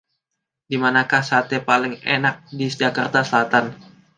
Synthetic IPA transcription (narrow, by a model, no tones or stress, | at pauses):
dimanakahsat̪epalɪŋenak̚did͡ʒakart̪asəlat̪an